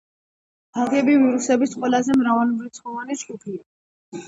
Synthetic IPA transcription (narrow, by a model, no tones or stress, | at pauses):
alˠɡɛbiviɾusɛbisqʼwɛlazɛmɾavalmɾit̪sʰχɔvanit͡ʃɡʼupʰia